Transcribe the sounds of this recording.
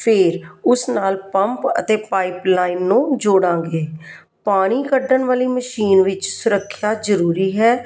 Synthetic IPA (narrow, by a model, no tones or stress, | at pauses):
pʰɪɾʊsnaːlpəmpə̰t̪eːpaːiplaːinːũːd͡ʒoːɽãːɡeː | paːɽ̃iːkəɖəɳʋaːliːməʃiːnʋɪt͡ʃsʊɾəkʰːjaːzəɾuːɾiːɦɛː